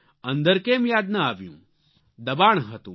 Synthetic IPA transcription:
ɐ̃nd̪əɾkeːmjaːd̪naaːʋjṵ̃ | d̪ɐbaːɳ̃ɦɐt̪ṵ̃

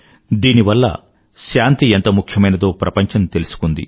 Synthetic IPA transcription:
d̪iːniʋɐlːɐ̰ | ʃaːnt̪ient̪ɐmukʰjɐmɐjnɐd̪o̞ːpɾɐpɐɲt͡ʃɐmt̪e̞lusu̥kund̪ḭ

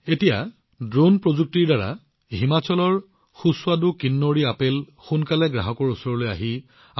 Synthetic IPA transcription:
etija | dɹonpɹozuk̚tiɹdaɹa̰ | ɦimat͡ɕɔlɔɹ | xuswadʊkinːoɹiapel | xunkalɛɡɹaɦɔkɔɹusɔɹɔloja̰ɦi

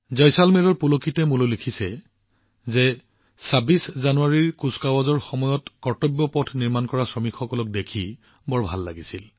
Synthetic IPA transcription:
zɔjsalmɛɹɔɹpulokitɛmulolikʰisɛ | zɛ | sabiszanuaɹiɹkuskawazɔɹxɔmɔjɔtkɔɹtɔbjɔpɔtʰniɹmankɔɹasɹɔmikʰxɔkɔlɔk̚dekʰi | bɔɹbʱalːa̰ɡisil

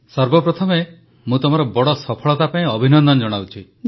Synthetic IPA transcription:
sɔɾbɔpɾɔt̪ʰɔme | mũt̪ɔm̤aɾɔbɔɽɔsɔpʰɔɭɔt̪apaĩɔbʱinɔnd̪ɔnɔd͡ʒɔɽ̃awt͡ʃʰi

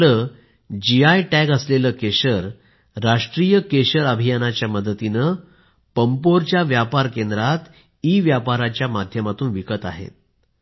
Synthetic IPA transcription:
ləː | d͡ʑiajʈæɡəsleləːkeɕəɾː | aʂʈɾijəkeɕəɾəbʱijanat͡ɕjaməd̪ət̪inə | pəmpoɾt͡ɕjaʋjapaɾkend̪ɾat̪ | iʋjapaɾat͡ɕjamad̪ʱjəmat̪uːnʋikət̪a̰ɦḛt̪̚

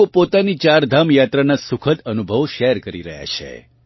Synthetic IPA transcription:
opot̪anit͡ʃaɾd̪ʱamjat̪ɾanasukʰət̪ənubʱəʋʃɛɾkəɾiɾəɦja̰t͡ʃʰḛ

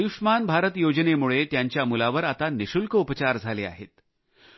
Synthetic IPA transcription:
juʂmanbʱaɾət̪jod͡ʑnemuɭet̪jaɲt͡ɕjamulaʋəɾat̪aniɕulkəupət͡ɕaɾd͡zʱalea̰ɦet̪

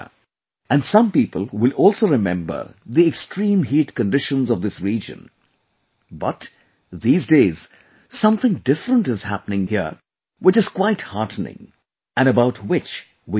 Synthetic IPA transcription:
ɨ̃nsʌ̃mpiːpəl̩ˠwɪlɔlˠsoɾɨmɛ̰̃mbə̰˞ðiɛkstʰɹĩːmɦiːtkə̃nɖɪʃə̃nzɔvðɪsɹiːd͡ʒə̰̃n | bʌ̰t | ðiːzdeːz̥ | sʌ̃mθɪ̃ŋdɪfɾə̃ntɨz̥hæ̰pənɪ̃ŋhiəɾ | wɪt͡ʃɨz̥kwaɪthɑɹtn̩ɪ̰̃ŋ | ʔɨ̃nəbaʊtwɪt͡ʃ | wi

